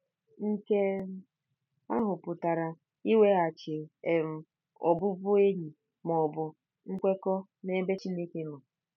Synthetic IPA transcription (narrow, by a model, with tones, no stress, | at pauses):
ŋ̩˦ke˦ | a˦ɦʊ˨pʊ˨ta˨ɾa˨ | i˦we˦a˨t͡ʃɪ˨e˨m̩˨ | ɔ˨bʊ˦bʊ˦e˦ɾi˨ | m˨ɔ˨bʊ˨ | ŋ̩˦kʷe˦kɔ˦ | ne˦be˦t͡ʃi˦ne˦ke˦nɔ˨